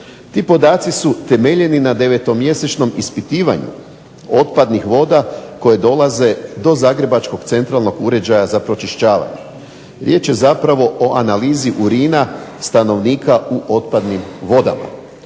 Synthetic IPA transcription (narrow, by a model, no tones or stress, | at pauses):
t̪iːpo̞d̪aːt̪sisut̪e̞me̞ʎe̞ninad̪e̞ʋe̞t̪o̞mje̞set͡ʃno̞mispit̪iːʋa̰ɲṵ | o̞t̪pad̪nixʋo̞d̪ako̞je̞d̪o̞lˠaze̞d̪o̞zaːɡɾe̞bat͡ʃko̞ɡt̪se̞nt̪ɾalˠno̞ɡuɾe̞d͡ʒajazapɾo̞t͡ʃiʃt͡ɕaːʋa̰ɲe | ɾje̞ːt͡ʃje̞zapɾaʋo̞ʔoʔanaliːziʔuɾiːnast̪ano̞ʋniːkʰauʔo̞t̪̚pad̪nimʋo̞d̪a̰ma̰